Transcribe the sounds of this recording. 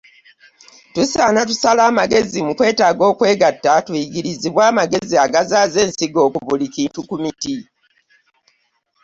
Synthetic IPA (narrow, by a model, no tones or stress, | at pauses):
tusaːnatu̥salaːmaɡe̞zimukwe̞ːtaːɡo̞ːkwe̞ːɡatːatwiɡiɾiziβwaːmaɡe̞ziaɡazaːze̞ːnsiɡo̞ːkuβulikiːntukumiti